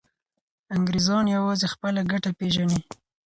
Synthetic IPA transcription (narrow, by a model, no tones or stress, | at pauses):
aŋɡɾezɑnjawɑzexpəlaɡaʈapeʒani